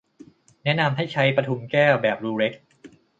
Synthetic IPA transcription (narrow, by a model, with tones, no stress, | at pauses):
nɛ˦˥na˧mɦa˥˩jt͡ɕʰa˦˥jpɾa˧t̪ʰu˧˦mkɛː˥˩wbɛː˨˩p̚ɾuː˧ɾe˦˥k̚